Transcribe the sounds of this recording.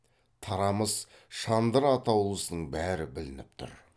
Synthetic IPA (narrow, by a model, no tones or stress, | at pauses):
t̪ʰɑɾɑməz | ʃɑnd̪əɾɑt̪ʰɑwlˠəsənəɴbæɾɪbɪlɪnɪp̚t̪ʰʊ̰ɾ